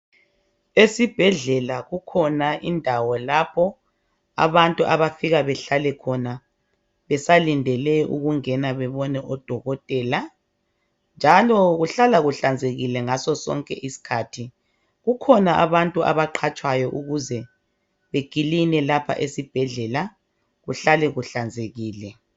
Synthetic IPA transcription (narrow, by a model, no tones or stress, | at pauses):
esib̥ʱɛɮɛlaɣukʰɔnaʔindʱawɔlapʰɔ | a̰βantʼuʔaβafiɣaβɛɬalɛkʰɔna | βɛsalindʱɛlɛṵɣuŋɛnaβɛβɔnɛʔɔd̥ʱɔɣɔtʼɛːla | nd͡ʒʱalɔɣuɬalaɣuɬand͡zʱeɣilɛŋasɔsɔ̰ŋkʼɛʔisi̥kʰaːtʰi | ɣukʰɔnaʔaβantʼua̰βaǃʰat͡ʃʼwajɔʔuɣuzɛ | βeɡ̥ʱilinɛlapʰa̰ʔesib̥ʱɛɮɛla | ɣuɬalɛɣuɬand͡zʱeɣiːlɛ